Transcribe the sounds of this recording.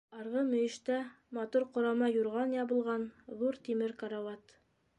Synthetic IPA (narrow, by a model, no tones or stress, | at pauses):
ɑɾʁɤmɵ̆jɘ̆ʃt̪æ | mɑt̪uɾqŏɾɑmɑjuɾʁɑnjɑbɤ̆lˠʁɑnðuɾt̪imɘɾkaɾawɑt̪